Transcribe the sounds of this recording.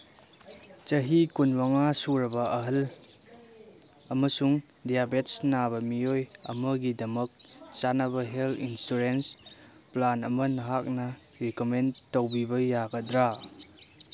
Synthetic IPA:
t͡ʃɐɦikunwaŋasuɾɐbɐɐɦɐl | ɐmɐsuŋ | dijabet̚snabɐmijojɐ̰mɐɡidɐmɐk̚t͡ʃanɐβɐɦelinstuɾens | planɐmɐnɐɦak̚nɐ | ɾikomentowbibɐjaɡɐdɾa

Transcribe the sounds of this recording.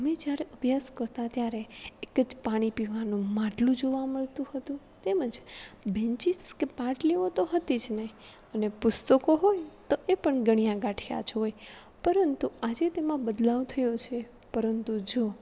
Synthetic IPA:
əmed͡ʒjaɾeʔəbʱjaskəɾt̪at̪jaɾeːkəd͡ʒpaɽ̃ipiʋanũmaʈlũd͡ʒoʋaməɭt̪ũhət̪ũ | t̪eməd͡ʒbẽɲt͡ʃiskepaʈleʋot̪oɦət̪id͡ʒne | ənepʊst̪əkoɦojt̪oʔepəɳɡəɽ̃ijãɡaʈʰija̰t͡ʃʰɦoj | pəɾənt̪uad͡ʒet̪emãbəd̪laʋt̪ʰəjot͡ʃʰe | pəɾənt̪ud͡ʒo

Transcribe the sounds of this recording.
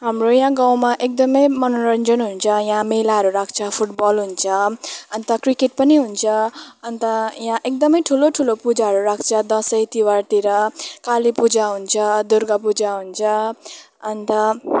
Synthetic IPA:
ɦamrojãɡaw̃maʔek̚d̪ʌmʌjmʌnoɾʌnd͡zʌnɦunt͡sʰʌjãmelaɦʌɾuɾakʰt͡sʰʌpʰuʈbʌlɦunt͡sʰʌʌnt̪ʌkrikeʈ̚pʌniɦunt͡sʰʌʌnt̪ʌjãʔek̚d̪ʌmʌjʈʰuloʈʰulopud͡zaɦʌɾuɾak̚ʰt͡sʰʌd̪ʌsʌjt̪iwart̪iɾʌkalipud͡zaɦunt͡sʰʌd̪uɾɡʌpud͡zaɦunt͡sʰʌ | ʌnt̪ʌ

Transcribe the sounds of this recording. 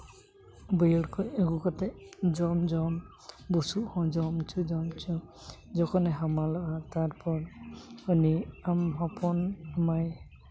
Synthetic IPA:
bɔjɔɽkʰɔjeɡukat̪ɛd͡ʒɔmd͡ʒɔm | busuhɔ̃d͡ʒɔmt͡ʃʰud͡ʒɔmt͡ʃʰud͡ʒɔkʰɔnɛɦamalɔʔat̪aɹpɔɹɔniamɦɔpʰɔnmaj

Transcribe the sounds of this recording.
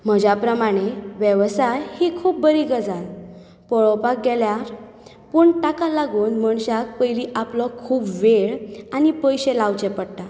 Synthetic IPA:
m̤əd͡ʑapɾəmaɽ̃eʋjəʋsajhikʰuːp̚bəɾiɡəd͡zal | pɔɭɔpak̚ɡɛljaɾ | pəɳʈakalaɡuːnməɳɕak̚pəjliʔaplɔkʰuːpʋeɭañipəjɕelaʋt͡ɕepəɽʈa

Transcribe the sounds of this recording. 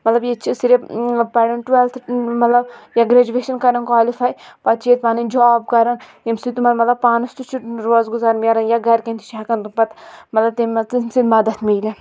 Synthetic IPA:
mɐt̪lɐbjet͡ʃʰisiɾepɐɽɐnʈwelt̪ʰmɐt̪lɐbjaɡɾɐd͡ʒuʋeːʃɐnkɐɾɐnkwaːlifaːjpɐt̪̚t͡ʃʰeːt̪̚paːnind͡ʒɔːb̚kɐɾɐn | jimsit̪umɐt̪mɐt̪lɐb̚paːnɐst̪ut͡ʃʰuʈɾoːzɡuzaːɾmʲɐɾɐnjaɡɐɾkʲẽnt̪i̥t͡ʃʰaːkɐnt̪upɐt̪mɐt̪lɐb̚t̪imɐt͡sisid̪mɐd̪ɐt̪ʰmiːle

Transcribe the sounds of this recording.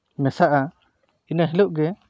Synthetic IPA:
mɛsaʔa | inaɦiluʔɡɛ

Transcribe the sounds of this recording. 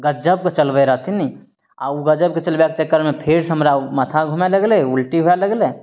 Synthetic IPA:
ɡəd͡ʒəb̚ket͡ʃəlbəeɾat̪ʰini | a̰uɡəd͡ʒəb̚ket͡ʃɐlbak̚t͡ʃəkːəɾmepʰeɾsəmɾamət̪ʰaɡʱumelɐɡleulʈiɦojaləɡle

